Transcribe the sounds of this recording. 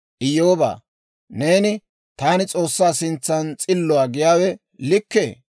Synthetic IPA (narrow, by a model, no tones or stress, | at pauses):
ʔɪjːoːba̰ː | ne̞ːnɪ | t̪aːnɪt͡sʼo̞ːsːaːsɪnt͡sːɐnt͡sʼɪlːɔwaːɡɪjaːwɛ | lɪkːeː